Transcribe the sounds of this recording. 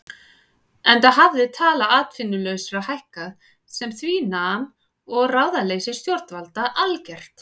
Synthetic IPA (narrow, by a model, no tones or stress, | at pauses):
ɛnt̪aðɦavðɪt̪ʰaːlaʔaːt̪fɪnːʏlœɥsɾahajhkað | sɛmθvinaːm | ɔɣraːwðaleːjsɪ̥st̪jɔɾt̪nvalt̪aʔalcɛr̥t̪